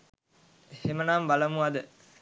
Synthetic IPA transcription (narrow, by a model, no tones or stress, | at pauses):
hemənaːmbɐlɐmuɐd̪ə